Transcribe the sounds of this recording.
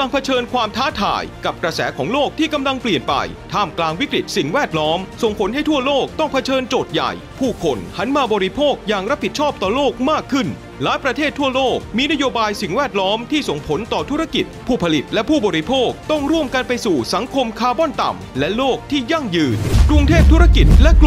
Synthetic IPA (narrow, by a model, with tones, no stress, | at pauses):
la˧ŋpʰa˧t͡ɕʰɤː˧nkʰwaː˧mt̪ʰaː˦˥t̪ʰa̰ː˧˩jka˨˩p̚kɾa˧sɛ̰ː˩˦˥kʰɔː˩˦ŋloː˥˩k̚t̪ʰiː˥˩ka˧mla˧ŋpli˨˩ənpa̰˧j | t̪ʰaː˥˩mklaː˧ŋwi˦˥kɾi˨˩t̪̚si˨˩ŋwɛː˥˩t̪̚lɔː˦˥mso˨˩ŋpʰo˩˦nhɦa˥˩jt̪ʰu˥˩ɐloː˥˩k̚t̪ɔ˥˩ŋpʰa˧t͡ɕʰɤː˧nt͡ɕoː˨˩t̪̚ja̰˨˩j | pʰuː˥˩kʰo˧nha˦˥nmaː˧bɔː˧ɾi˦˧pʰoː˥˩k̚jaː˨˩ŋɾa˦˥p̚ʰːi˨˩t͡ɕʰɔː˥˩p̚t̪ɔː˨˩loː˥˩k̚maː˥˩kʰːɯ˥˩n | laː˦˥jpɾa˧eː˥˩t̪ʰːu˥˩əloː˥˩k̚miː˧na˥joː˧baː˧jsi˨˩ŋwɛː˥˩t̪̚lɔː˦˥mt̪ʰiː˥˩so˨˩ŋpʰo˩˦nt̪ɔː˨˩t̪ʰu˦˥ɾa˧ki˨˩t̪̚pʰuː˥˩pʰa˧li˨˩t̪̚lɛ˦˥pʰuː˥˩bɔː˧ɾi˧pʰoː˥˩k̚t̪ɔ˥˩ŋɾu˥˩əmka˧npa˧jsuː˨˩sa˩˦ŋkʰo˧mkʰaː˧bɔ˥˨nt̪a̰˨˩m | lɛ˦˥loː˥˩k̚t̪ʰiː˥˩ja˥˩ŋjɯː˧nkɾu˧ŋt̪ʰeː˥˩p̚t̪ʰu˦˥ɾa˥˧ki˨˩t̪̚lɛ˦˥k